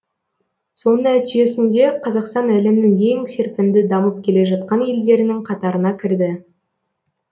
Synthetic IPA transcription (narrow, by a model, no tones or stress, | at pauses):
so̞nənæt̪ɪʒe̞sɪnd̪e̞qʰɑzɑqst̪ɑnælɪmnɪŋe̞ŋse̞ɾpɪnd̪ɪd̪ɑməp̚kʲʰe̞le̞ʒɑt̪̚qɑnje̞ld̪e̞ɾɪnɪŋqʰɑt̪ɑɾənɑkʲʰɪɾd̪ɪ